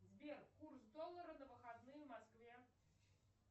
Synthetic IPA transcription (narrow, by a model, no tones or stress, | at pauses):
zʲbʲɛrkursd̪ɔlˠːɐɾɐd̪ɐvɨxad̪nɨjɐmaskvʲɛ